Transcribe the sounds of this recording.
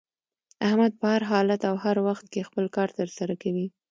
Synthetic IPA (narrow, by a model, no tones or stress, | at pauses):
ahmad̪̚pəhaɾɦɑlat̪awhaɾwaxt̪̚kexpəlkɑɾt̪əɾsaɾakawi